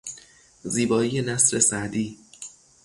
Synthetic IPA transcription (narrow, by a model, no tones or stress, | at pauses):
ziːbɒːiːje̞næsɾe̞sæd̪iː